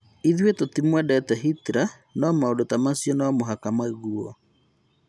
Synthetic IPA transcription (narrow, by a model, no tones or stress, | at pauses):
iðwetotimwɛdɛtɛɦitɾa | nɔmaodotamasjɔnamoɦakamaeɣuɔ